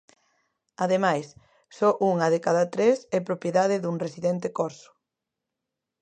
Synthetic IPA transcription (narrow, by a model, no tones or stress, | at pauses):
aðemajs | sɔʔuŋɐðekaðɐt̪ɾesɛpɾopjeðaðɪðuŋresiðɛnt̪ekɔɾsʊ̥